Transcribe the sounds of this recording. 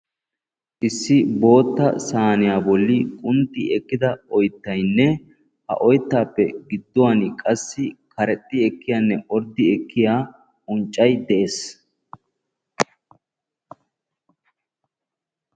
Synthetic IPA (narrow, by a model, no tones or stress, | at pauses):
ʔɪsːɪbo̞ːt̪ːɐ̰saːnɪjaːbɔlːɪkʼʊnt̪ːɪɛkːɪd̪ɐɔjt̪ːɐjnːɛ | hɐ̰ʔɔjt̪ːaːpːɛ̰ɡɪd̪ːɔwankʼɐsːɪkʰɐɾɛt̪ʼːɪɛkːɪjaːnːɛʔɔɾd̪ɪɛkːɪjaː | ʊnt͡ʃʼːɐjd̪ɛʔeːs